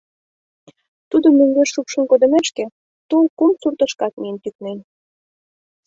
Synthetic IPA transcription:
t̪ud̪omøŋɡeʃːupʃə̆mkod̪ə̆meʃkĕ | t̪olkumsurt̪əʃkɑt̪̚miənt̪yk̚nen

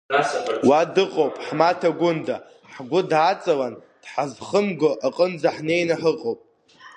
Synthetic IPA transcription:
wadɨqʼowpʼħmatʰaɡʷʊnda | ħɡʷʊdat͡sʼawan | d̥ħazχəmɡoʔaqʼənd͡zaħne̞jnaħəqʼowpʼ

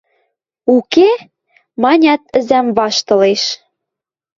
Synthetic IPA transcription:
uke | mɑnʲɑt̪ə̆zæmβɑʃt̪ɤ̆leʃ

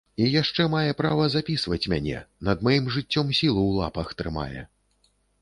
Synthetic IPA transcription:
ijaʂt͡ʂɛmajɛpɾavɐzapʲisvɐt͡sʲmʲanʲɛ̰nɐd̪majimʐɨt͡sʲːɔmsʲilˠuwlˠa̰pɐxt̪ɾɨma̰jɛ̰

